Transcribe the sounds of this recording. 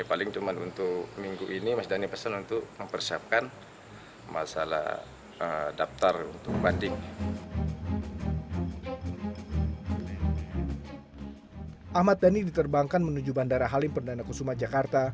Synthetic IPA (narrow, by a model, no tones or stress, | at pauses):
palɪŋt̪umanṵnt̪ʊkmiŋɡuʔinimasidanipəsanunt̪ʊk̚məmpərsiap̚kan | ma̰sa̰la̰ | ədap̚t̪arṵnt̪ʊk̚bandɪŋ | ʔahmat̪̚danidit̪ərbaŋkanmənud͡ʒubandaɾaɦalɪmpərndanakusumat̪̚d͡ʒakart̪a